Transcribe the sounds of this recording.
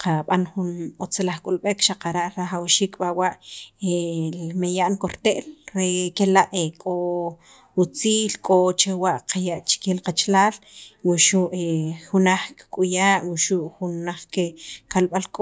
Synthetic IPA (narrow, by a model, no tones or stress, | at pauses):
qaɓanxunot͡selaχkʼulɓekʃaqaɾaʔɾaχawʃiːkɓawaʔemejaʔnkoɾt̪eʔlɾekelaʔekʼo | ut͡siːlkʼot͡ʃewaʔqʰajaʔt͡ʃkelqat͡ʃlaːlwuʃuʔexunaχkkʼujaːʔwuʃuʔxunːaχkekalɓalkʼo